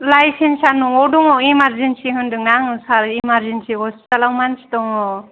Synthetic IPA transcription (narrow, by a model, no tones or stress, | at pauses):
lajsensanuŋɔdɔŋɔimaɾzensiɦɯndɯŋnaŋɯsaɾimaɾd͡ʒensiɔstalawmansi̥tɔŋɔ